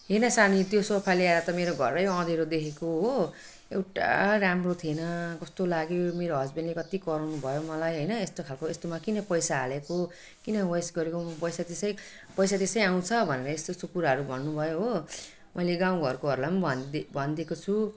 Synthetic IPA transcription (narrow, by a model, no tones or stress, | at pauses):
ɦenʌsanit̪josopʰajleaɾʌt̪ʌmeɾoɡʱʌ̰rːʌjʌ̃d̪eɾod̪ekʰekoɦo | ewʈa̰ɾamrot̪ʰienʌkʌst̪olaɡemeɾoɦʌd͡zbenlekʌt̪ikʌɾawnubʱʌjomʌlajɦʌjnʌest̪okʰalkoest̪omakinʌpʌjsaːleko | kinʌwʌjsɡʌɾekopʌjsat̪esʌj | pʌjsat̪esʌjaw̃t͡sʰʌbʱʌneɾʌest̪osopuɾaɦʌɾubʱʌnːubʱʌjoɦo | mʌjleɡãw̃ɡʱʌrkoɦʌɾulajmbʱʌbʱʌnd̪ekot͡sʰu